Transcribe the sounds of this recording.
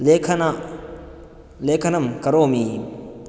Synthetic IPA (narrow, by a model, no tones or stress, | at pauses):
lekʰɐna | lekʰɐnɐmkɐɾomi